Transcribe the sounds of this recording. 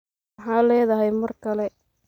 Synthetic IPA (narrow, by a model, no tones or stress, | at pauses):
ħaːlɛːðɐɦɛjmɐrkʰɐlɛ